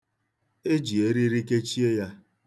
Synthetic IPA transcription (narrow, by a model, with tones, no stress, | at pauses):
e˦d͡ʒi˨e˦ɾi˦ɾi˦ke˦t͡ʃi˦e˦ja˦